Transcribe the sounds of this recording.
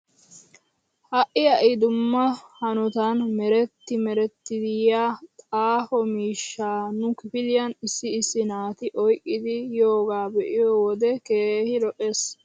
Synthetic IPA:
hɐʔɪjɐʔɪd̪ʊmːɐhɐnɔt̪anmɛɾɛt̪ːɪmɛɾɛt̪ːɪd̪ɪjaːt̪ʼaːhɔmiːʃːaːnʊkɪfɪd̪ɪjɐnɪsːɪːsːɪnaːt̪ɪʔɔjkʼːɪd̪ɪjoːɡaːbɛʔɪjɔwɔd̪ɛkeːhɪlɔʔe̞ːs

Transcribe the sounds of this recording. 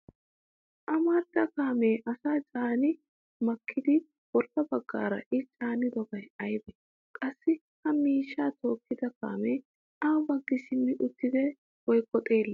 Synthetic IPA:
ʔɐmɐɾt̪ɐkaːmeːʔɐsaːt͡ʃʼaːnɪ | mɐkʰːɪd̪ɪ | wɔɾkɐbɐɡːa̰ːɾɐ̰ʔɪt͡ʃʼaːnɪd̪ɔbɐjɐjb̪ɛ | kʼɐsːɪ | hɐmiːʃːaːt̪o̞ːkːɪd̪ɐka̰ːmeː | ʔaːbɐɡːɪsɪmːɪʔʊt̪ːɪd̪ɛ | wɔjkʼːɔt̪ʼeːlːɐ

